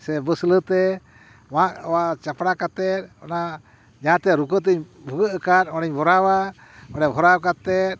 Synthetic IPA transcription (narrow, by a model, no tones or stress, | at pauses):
sɛbəslət̪ɛ | wãʔɔwat͡ʃapɽakat̪ɛt̪̚ɔna | d͡ʒaãt̪ɛɾukət̪̬ɛɲbʱuɡəʔəkat̪̚ɔɽɛɲbʱɔɾawa | ɔɽɛbʱɔɾawkat̪ɛt̪̚ˀ